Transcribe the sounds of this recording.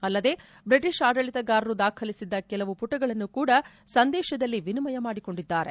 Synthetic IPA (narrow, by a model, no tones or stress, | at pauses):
ɐlːɐd̪e̞ː | bɾiʈiʂaːɖɐɭit̪ɐɡaːɾɐɾud̪aːkʰɐlisid̪ːɐkɛlɐʋupuʈːɐɡɐɭɐnːukuːɽɐ | sɐnd̪ɛːʃɐd̪ɐlːiʋinimɐjɐmaːɽiko̞ɳɖid̪ːaːɾe̞̰